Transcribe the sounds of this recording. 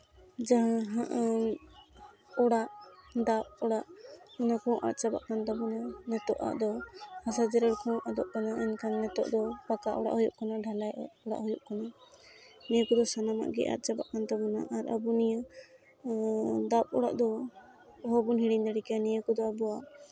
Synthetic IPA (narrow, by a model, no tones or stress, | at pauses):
d͡ʒaɦãɦaʔ | ɔɽaʔd̪ap̚ɔɽaʔɔnakɔ̃ʔa̰t̪̚ˀt͡ʃaba̰ʔkant̪abunanɛt̪ɔʔa̰ʔd̪ɔhasad͡ʒɛɾɛɽkɔ̃ʔɔd̪ɔʔkanaʔɛnkanːɛt̪ɔ̰ʔd̪ɔpakaʔɔɽa̰ʔhɔjɔʔkanaɖʱalajɔɽa̰ʔhɔjɔʔkana | nɛjəkɔd̪ɔsanama̰ʔɡɛ̰ʔa̰t̪̚t͡ʃaba̰ʔkant̪abuna̰ʔaɾa̰bunijə | d̪ap̚ɔ̰ɽa̰ʔd̪ɔ | ɦɔbunɦiɽiɲd̪aɽikanɛjəkɔd̪ɔabuaʔ